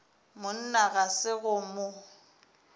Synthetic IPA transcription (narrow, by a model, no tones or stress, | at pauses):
mʊn̩naɣasɪɣʊmʊ